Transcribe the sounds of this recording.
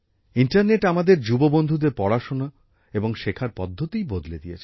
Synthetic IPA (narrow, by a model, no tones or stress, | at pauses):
iɳʈaɾneʈamad̪eɾd͡ʑubobond̪ʱud̪eɾpɔɽaʃona | eboŋʃekʰaɾpɔd̪ʱːot̪ijbod̪led̪ijet͡ɕʰe